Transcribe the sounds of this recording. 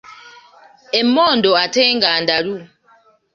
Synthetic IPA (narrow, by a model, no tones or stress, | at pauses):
emːɔndɔatɛŋɡandalu